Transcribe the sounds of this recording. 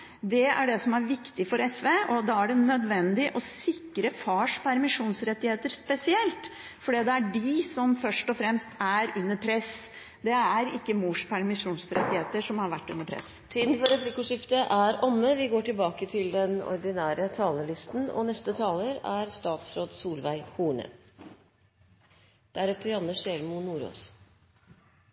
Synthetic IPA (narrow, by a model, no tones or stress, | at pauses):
d̪ɛæ̰ɖɛsɔmæɾʋɪkt̪ɪfɔɾɛsʋeʔɔd̪ɑæɖɛnœd̪ʋɛnd̪ɪʔɔsɪkːɾəfɑːʂpʰæɾmɪʂuːnsɾɛt̪ːɪheːt̪əɾspɛsɪɛlt̪ | fɔɖiːd̪ɛæɖɪsɔmfœʂʈɔfɾɛmst̪æɾʉnːəɾpʰɾɛs | d̪ɛæɾɪkːəmuːʂpʰæɾmɪʂuːnsɾɛ̰t̪ːɪheːt̪əʂɔmhɑɾʋæʈːʉ̰nːəɾpʰɾɛ̰s | t̪ʰiːd̪n̩fɔɾɛflɪkʊʂɪft̪əʔæɾʔɔmːəʋɪɡoːʈɪlbɑːkət̪ʰɪld̪ɛnɔ̰ɾd̪ɪnæːɾət̪ʰɑːləlɪst̪n̩ɔ̰nɛst̪ət̪ʰɑːləɾæɾst̪ɑːt̪sɾoːd̪suːlʋæɪhuːɳə̰ | d̪̥æɾɛft̪əɾɑnːəʂɛlmʊnuːɾo̰ːs